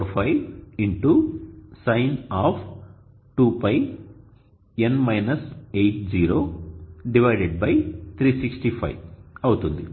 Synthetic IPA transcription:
ɾpʰɐjʋiɳʈusɐjnaːp | ʈuːpɐj | enmɐjnɐsejʈ̚d͡ʒiːɾoːɖiʋɐjɖeɖ̚bɐjt̪ʰɾiːsiksʈipʰɐ̰jɐwut̪und̪i

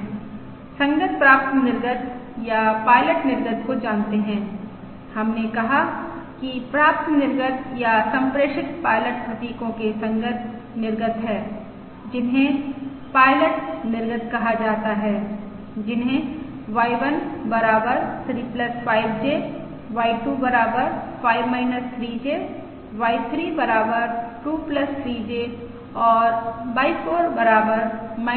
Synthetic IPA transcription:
sɐ̃ŋɡət̪̚pɾaːp̚t̪nɪɾɡət̪ | japaːɪləʈnɪɾɡət̪kod͡ʒaːnt̪eɦɛ̃ː | hɐmnekɐɦakipɾaːp̚t̪nɪɾɡət̪jasɐ̃mpɾeːʃɪt̪paːɪləʈpʰɐt̪iːkõkesɐ̃ŋɡət̪̚ʰ | nɪɾɡət̪ɦɛː | d͡ʒɪnɦẽ | paːɪləʈnɪɾɡət̪kɐɦad͡ʒaːt̪aɦɛː | d͡ʒɪnɦẽ | ʋaːɪʋənbɐɾaːbəɾt̪ʰɾiːpləspaːɪbd͡ʒeː | ʋaːɪʈubɐɾaːbəɾfaːɪʋmaːɪnəst̪ʰɾiːd͡ʒeː | ʋaːɪt̪ʰɾiːbɐɾaːbəɾʈuːpləst̪ʰɾiːd͡ʒeː | ɔːɾbaːɪfoːɾbɐɾaːbəɾma

